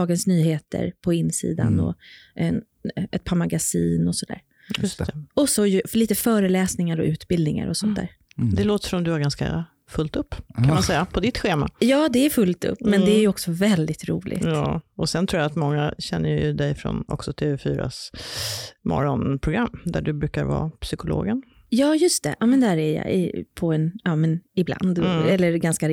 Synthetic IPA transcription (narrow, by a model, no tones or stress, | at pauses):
ɑːɡənsnyːheːt̪ə̰ɾpʰɔɪnːsḭːd̪a̰nɔ̰ɛ | ɛt̪̚pʰaːmaɡasiːnɔsɔd̪æ̰ːɾ | jɵst̪ʰɛɔsɔjɵliːt̪əfœːɾəlɛːsnɪŋaɾɔ̰ʔʉ̟ːt̪bɪld̪nɪŋa̰ɾɔsɔnt̪æ̰ːɾ | d̪ɛloːt̪ə̥ʂɔmd̪ɵhaɾɡanska̰ | fɵlt̪ɵpːkʰanmansɛjːapʰɔd̪ɪt̪ɧeːma̰jɑːd̪ɛæɾfɵlt̪ɵ̰pːmɛnd̪ɛæɾjɔksɔvɛld̪ɪt̪ɾṵːlʔɪ̰jt̪ɑːɔsɛnt̪ʰɾuːjaːt̪mɔŋːaɕɛnːəjjɵ̰d̪ɛjfɾɔ̰nɔ̰ksɔt̪ʰeːvɛfyːɾa̰s | mɔ̰ɾɔnpʰɾʊɡɾamːd̪æɖɵbɾʉ̟ːkaɾvɑ̰ːpsʏkʊlo̰ːɡən | jɑːjɵst̪ɛ̰ʔɑːmɛnd̪æːɾæjɑ̰ɪ̰pʰɔɛnɑːmɛnɪbla̰nd̪ɛlːəɾɡanskaɾ